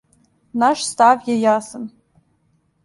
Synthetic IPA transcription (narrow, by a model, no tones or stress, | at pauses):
naʂstʰavjajasɨn